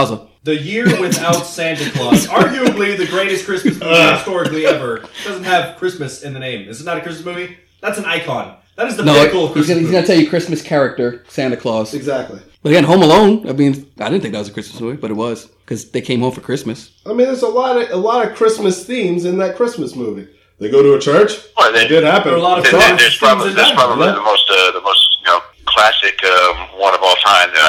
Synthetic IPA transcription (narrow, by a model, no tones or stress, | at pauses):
zə | ðɨjɪɹwɛ̃nθaʊtsæ̃ndɨkʰlɔɑɹɡjʉɨbliðɨɡɹeɪɾɨskɹ̥ɪsmɨsmuvistɔɹɨkliɛvə˞d̥ʌz̃n̩t̚hɨv̥kʰɹ̥ɪsmɨsɨ̃nðɨnẽɪ̃mɨzɨtⁿnəɾɨkʰɹ̥ɪsməsmuvi | ðætsn̩aɪkʰɑ̰̃n | ðæɾɨzðənoʊkl̩ˠkihiznətʰɛlˠjɨkʰɹ̥ɪsmɨskʰɛɹɨk̚tə˞sæ̃nɨkʰl̥ɔz̥ɨɡzæk̚tˡli | b̥ʌɾɨɡɛ̃nɦõʊ̃məlõʊ̃naɪmĩnzaɪɾɪdn̩θɪ̃ŋk̚æt̚wʌzɨkɹ̥ɪsməsmuvib̥ʌɾɨt̚wʌz̥ | kʰʌzðeɪkʰẽɪ̃mhõʊɱfə˞kʰɹ̥ɪsmɨs | aɪmĩnðə˞zəlɔɾʌəlɔɾʌv̥kʰɹ̥ɪsmɨsθĩmzɨ̃nðɨt̚kʰɹ̥ɪsmɨsmuvi | ðeɪɡoʊɾəət͡ʃʰɜ˞t͡ʃwɛðɨɡʊd̚hæpɨ̃nlɔɾʌ̃ðə˞z̥pʰɹ̥ɑbəbliðɨspʰɹ̥ɑbəbliðəmoʊstʌðəmoʊstjɨnoʊ | kʰl̥æsɨkʰʌ̃mwʌ̃nʌvɔlˠtʰã̰ɪ̃mðə̰